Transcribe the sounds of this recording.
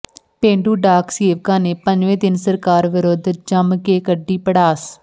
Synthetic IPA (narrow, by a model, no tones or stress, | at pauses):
pẽːɳɖuːɖaːkseːʋkaːneːpəɲd͡ʒʋẽːd̪ɪnsəɾkaːɾʋɪɾoːd̪d͡ʒəmkeːkəɖːiːpəɽaːs